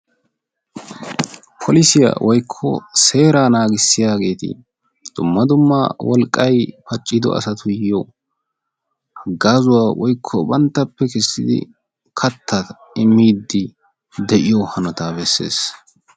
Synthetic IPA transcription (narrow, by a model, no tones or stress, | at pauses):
pʰɔlɪsɪja̰wʔɔjkʰːɔ̰se̞ːɾaːnaːɡɪsːɪjaːɡe̞ːt̪ɪ̰ | d̪̥ʊmːɐd̪ʊmːawɔlkʼːɐjpɐt͡ʃʼːɪd̪ɔ̰ʔɐ̰sɐt̪ʊjjo | hɐɡːaːzʊwaːwɔjkʰːɔbɐnt̪ːɐpːɛkɛsːɪd̪ɪ̰ | kʰɐt̪ʰːɐt̪ | ɪmːiːd̪ːɪ | d̪ɛʔɪjohɐnɔt̪aːbɛsːḛːs